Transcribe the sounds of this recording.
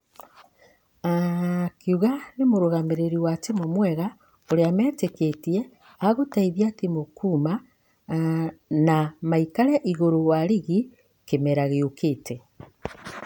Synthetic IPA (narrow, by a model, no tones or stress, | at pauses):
akʰiuɣanemoɾoɣameɾeɾiwat͡ʃemomwɛɣa | oɾeamɛːteketie | aɣotaiβjatimokʰuma | namaikaɾjaʔiɣoɾowaɾiɣi | kemeɾaɣeokete